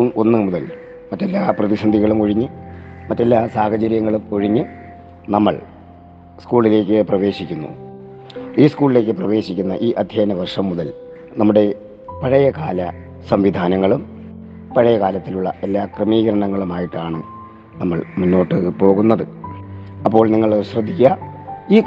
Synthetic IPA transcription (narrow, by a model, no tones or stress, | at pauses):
uːɭo̞nːɨmuðɐl | mɐtːelːaːprɐðisɐnd̪ʱiɣɐɭumkoɻiɲːɨmɐtːe̞lːaːsaːɦɐt͡ɕɐɾjɐŋːɐɭumkoɻiɲːɨ | nɐmːɐɭ | skuːɭile̞ːkʲːɨprɐʋe̞ːɕikʲːunːṵ | iːskuːɭile̞ːk̬ʲːɨprɐʋe̞ːɕikʲːunːɐʔiːʔɐd̪ʱjeːnɐʋɐrʂɐmːuðɐl | nɐmːuɽe̞ | pɐɻɐjɐkaːlɐ | sɐmʋid̪ʱaːnɐŋːɐɭum | pɐɻɐjɐkaːlɐt̪ːiluɭːɐʔe̞lːaːkrɨmiːɣɐɾɐɳɐŋːɐɭumaːjiʈːaːɳɨ | nɐmːɐɭmunːo̞ːʈːɨpo̞ːɣunːɐðɨ | ɐpːo̞ːɭniŋːɐɭɕrɐd̪ʱːikʲːuɐiː